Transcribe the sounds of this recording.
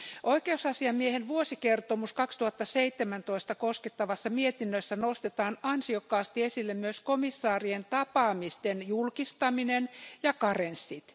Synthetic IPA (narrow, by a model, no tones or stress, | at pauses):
ʔoikeusɑsiɑmiehenʋuosikert̪omuskɑkst̪uhɑt̪ːɑseit̪ːemænt̪oist̪ɑkosket̪ːɑʋɑsːɑmiet̪inːøsːænost̪et̪ɑːnɑnsiokːɑːst̪iesilːemmyøskomisːɑːrient̪ɑpɑːmist̪enjulkist̪ɑminenjɑkɑrensːit̪